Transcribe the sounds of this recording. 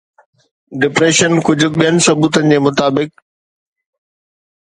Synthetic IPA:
ɖɪpɾeːʃənkʊd͡ʑʱʊ̆ɓijənɪ̆sɐbuːt̪ənɪ̆d͡ʑeːmʊt̪aːbɪk̚

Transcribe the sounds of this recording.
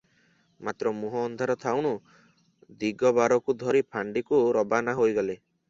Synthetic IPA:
mat̪ɾɔmuɦɔːnd̪ʱaɾɔt̪ʰawɽ̃u | d̪iɡɔbaɾɔkud̪ʱɔɾipʰaɳɖikuɾɔbanaɦojɡɔle

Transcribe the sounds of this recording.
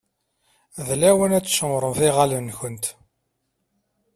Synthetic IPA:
ðlæwənæt͡sːʃəmɾˤəmθɪʁalənçənt̪

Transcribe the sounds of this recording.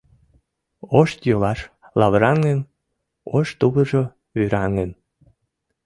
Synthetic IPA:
oʃt̪jolɑʃ | lɑβəɾɑŋə̆n | oʃt̪uβəʒo | βyɾɑŋən

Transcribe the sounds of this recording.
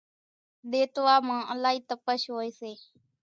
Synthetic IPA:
ɗ̪eːt̪ʋaːmãːʔəlaːɦiːt̪əpəʃɦoːeːseː

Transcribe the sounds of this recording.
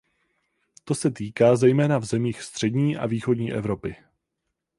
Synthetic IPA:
t̪o̞sɛt̪iːkaːzɛjmɛːnavzɛmiːxst̪r̝̥ɛdɲiːʔa̰viːxodɲiːʔɛvɾo̞pɪ

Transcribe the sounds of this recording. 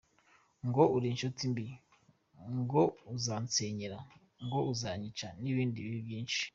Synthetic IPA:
ŋɡoʔuɾinʃotimbi | ŋɡouzant͡seɲeɾa | ŋɡo̞uzaɲit͡ʃaniβiːndiβiβiβjiːnʃi̥

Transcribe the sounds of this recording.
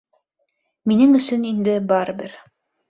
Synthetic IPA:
minɘŋɵ̆sɵnind̪ɘbɑɾbɘɾ

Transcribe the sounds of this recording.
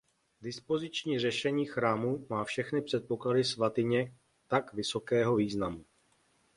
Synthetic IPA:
dɪspo̞zɪt͡ʃɲiːrɛʃɛɲiːxɾaːmumaːfʃɛxnɪpr̝̥ɛt̪̚po̞kladɪsvat̪ɪɲɛ | t̪akvɪso̞kɛːɦo̞viːznamu

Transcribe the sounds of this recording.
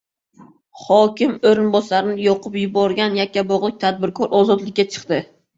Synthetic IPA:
χɒkʲɪmoɾɪnbɒsaɾɪnɪjɒqʰʊpjʊbɒɾɡʲanjakʲʰːabɒʁlˠɪk̚ʲt̪ʰad̪̚bɪɾkʰɒɾʔɒzɒt̪lɪkʲːat͡ʃʰɨ̥qt̪ɪ

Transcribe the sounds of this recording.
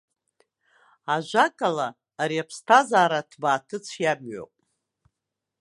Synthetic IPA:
aʒʷakʼalaː | ɾiapʰstʰazaːɾatʰbaːtʰɨt͡sʷʰjabɥo̰pʼ

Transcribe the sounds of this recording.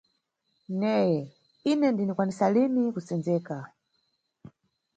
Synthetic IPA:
nɛjɛ | inɛndinikwanisalinikusɛnzɛːka

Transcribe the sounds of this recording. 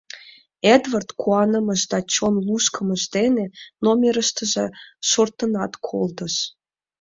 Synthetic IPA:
ed̪vɑrt̪kuɑnə̆mə̆ʃd̪ɑt͡ɕonluʃkə̆mə̆ʒd̪enenomʲeɾəʃt̪ə̆ʒeʃort̪ə̆nɑt̪kʰold̪ɤ̆ʃ

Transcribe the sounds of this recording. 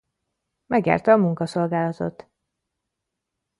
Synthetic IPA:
mɛɡja̰ːrt̪ɛɒmuŋkɒso̞lɡaːlɒt̪o̞̰t̪

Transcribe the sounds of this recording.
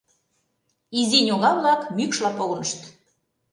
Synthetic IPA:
izinʲoɣɑβlɑkmykʃlɑpoɣɤ̆nəʃt̪

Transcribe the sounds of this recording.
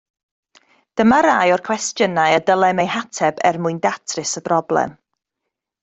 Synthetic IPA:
d̥əmaɾajɔrkʰw̥ɛstjənaɨədəlˠɛmejhatʰɛbɛ̰rmʊɨndatʰrɪsəb̥rɔblɛ̰m

